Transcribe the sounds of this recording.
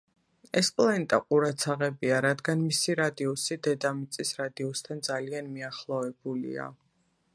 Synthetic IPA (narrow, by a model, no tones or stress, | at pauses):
ɛspʼlanɛt̪ʼa̰qʼuɾat̪sʰaʁɛbiaɾad̪ɡanmisiɾad̪iɔsid̪ɛd̪amit̪sʼisɾad̪iɔst̪ʰand̪zalianmiaχlˠɔvɛbulḭa̰